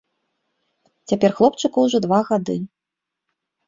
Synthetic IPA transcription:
t͡sʲapʲɛrxlˠɔpt͡ʂɨkɐwʐɔd̪vaɣad̪ɨ

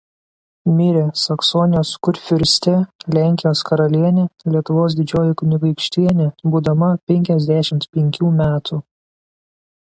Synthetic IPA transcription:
mʲɪɾʲesɐksɔnʲɪjoːskʊɾʲfʲʊɾʲsʲt̪ʲɛlʲæːˑŋʲkʲɪjoːskɐɾɐlʲiɛnʲelʲiɛt̪ʊʋoːs̬d̪ʲɪd͡ʒʲoːjɪkʊnʲɪɡɐɪkʃʲt̪ʲiɛnʲebuːd̪ɐmɐpʲɛŋʲkʲɛzʲd̪ʲæʃʲɪmt̪pʲɛŋʲkʲuːmʲæːt̪ʰuː

